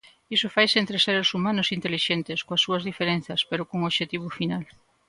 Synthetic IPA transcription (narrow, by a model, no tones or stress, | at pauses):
isofajseent̪ɾeseɾesumãnʊsint̪eliʃent̪eskoasːuɐzðifeɾẽnθɐspeɾokoŋoʃet̪iβ̞ʊfinal